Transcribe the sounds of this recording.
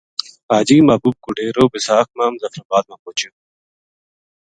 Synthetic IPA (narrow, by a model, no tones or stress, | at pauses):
aːd͡ʑiːmaːbuːb̚kuɖeːɾoːbisaːkmaːmzɐfɾɐbaːd̪̚mapoːt͡ɕe